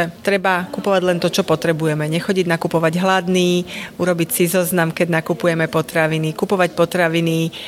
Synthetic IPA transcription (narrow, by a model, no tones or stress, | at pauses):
ɛt̪ɾɛbakupɔʋaɟlɛnt̪ɔt͡ʃɔpɔt̪ɾɛbujɛmɛɲɛxɔɟiɟnakupɔʋaɟɦlad̪niːuɾɔbicsizɔznamkɛɟnakupujɛmɛpɔt̪ɾaʋinikupɔʋacpɔt̪ɾaʋini